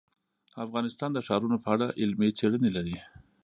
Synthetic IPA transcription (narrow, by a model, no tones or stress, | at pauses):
afɣɑnɪst̪ɑnd̪əʃɑɾunopəaɽaʔɪlmet͡seɽənelaɾi